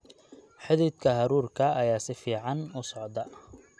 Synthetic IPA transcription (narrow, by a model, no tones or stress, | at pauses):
ħɪðɪːd̪kʰɐɦɐɾuːrkʰɐːjaːsɪfiːʕɑnʊsɔʕd̪ɐ